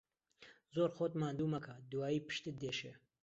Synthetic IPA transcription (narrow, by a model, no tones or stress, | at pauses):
zoːɾxoːt̪maːnd̪uːmɐkʰɐd̪uwaːjiːpɨ̥ʃt̪ɨd̪eːʃeː